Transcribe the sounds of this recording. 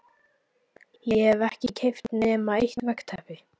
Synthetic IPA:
jɛhɛvɛhcɪcʰejft̪nɛmaejht̪vɛkt̪ʰɛhpɪ

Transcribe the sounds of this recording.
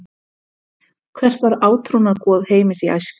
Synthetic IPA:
kʰvɛr̥t̪vaɾaːwt̪ʰɾonaðkɔːðheːjmɪsia̰jsk

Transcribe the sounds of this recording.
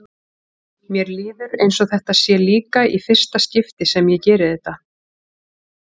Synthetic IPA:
mjɛɾliːðʏɾejnsɔθɛht̪aðsjɛliːkaʔifɪr̥st̪ascɪft̪ɪsɛmjɛcɛːɾɪðɛht̪ːa

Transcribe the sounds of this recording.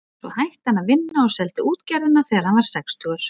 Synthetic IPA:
sɔ̰hajht̪hanːavɪnːaɔsɛlt̪ʏuːt̪caɾðɪnaθɛɾhanvaɾ̥sɛkst̪ʰʏɣʏɾ̥

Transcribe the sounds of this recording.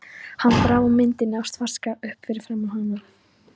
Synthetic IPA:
hanːpɾaːwamɪnt̪ɪnːɪawst̪var̥skaʏhpfɪɾɪɾ̥fɾaːmaɦanːa

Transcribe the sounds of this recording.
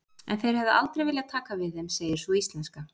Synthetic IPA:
ɛ̰nθejɾ̥hɛvðɪʔa̰lt̪ɾejvɪːljaðt̪ʰaːkavɪðɪmseːjɪɾ̥sɔist̪lɛnska

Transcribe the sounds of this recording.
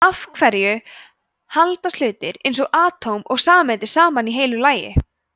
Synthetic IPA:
afkʰvɛɾjʏ | halt̪asʏːt̪ɪɾejnsɔɣʔaːt̪ʰowmɔɣsaːmɛnt̪ɪɾ̥saːmaniɦejlʏlaːjɪ̰

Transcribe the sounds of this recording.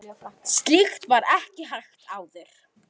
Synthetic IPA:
st̪lixt̪vaɾɛhcɪɦajxt̪aːwðʏɾ̥

